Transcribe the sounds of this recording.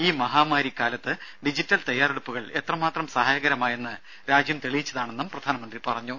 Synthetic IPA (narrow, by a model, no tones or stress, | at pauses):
iːmɐɦaːmaːɾikːaːlɐt̪ːɨɖid͡ʑitːɐlt̪ɐjːaːɾreɽupːuɣɐɭe̞t̪rɐmaːt̪rɐmsɐhaːjɐɣɐɾɐmaːjenːɨ | ɾaːd͡ʑjɐmt̪eɭijit͡ɕːɐðaːɳenːɐmprɐd̪ʱaːnɐmɐnd̪ripɐrɐɲːu